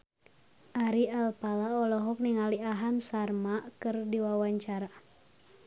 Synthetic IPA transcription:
ʔaɾialpalaɔlɔɦɔk̚niŋaliaɦamsarmakɨrdiwawaɲt͡ʃaɾa

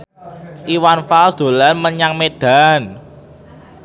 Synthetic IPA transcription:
ʔiwanfalsd̪̥o̤lanməɲaŋmed̪̥a̤n

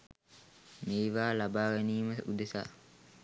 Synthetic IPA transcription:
meːʋaːlabaːɡaniːməud̪esa̰

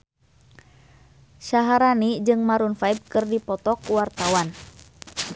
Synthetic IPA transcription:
ʃaɦaɾanid͡ʒɨŋmaɾunfaib̚kɨrdipɔt̪ɔkuwart̪awan

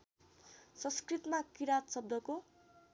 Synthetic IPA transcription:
sʌ̃nskrit̪makiɾat̪sʌb̚d̪ʌko

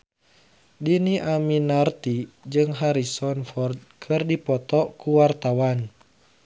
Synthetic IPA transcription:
diniʔaminart̪id͡ʒɨŋɦaɾisɔnfɔrd̪̚kʰɨrdipɔt̪ɔkuwart̪awan

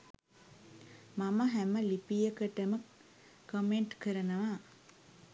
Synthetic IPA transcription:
maməɦæməlipijəkəʈəmə | komeɳʈkəɾənəʋa

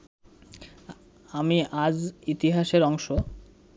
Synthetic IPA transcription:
amiʔad͡ʑit̪iɦaʃeɾɔŋʃo

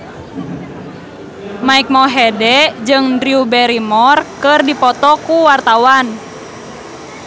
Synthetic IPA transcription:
maik̚mɔɦɛdɛd͡ʒɨŋdɾiubɛɾimɔrkɨrdipɔt̪ɔkuwart̪awan

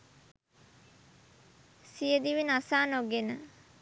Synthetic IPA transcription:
sijəd̪iʋinasaːnoɡenə

